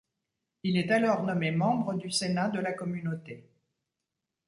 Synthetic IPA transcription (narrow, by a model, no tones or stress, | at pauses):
ilɛt̪alɔʁnɔmemɑ̃bʁəd̪ysenad̪əlakɔmynot̪e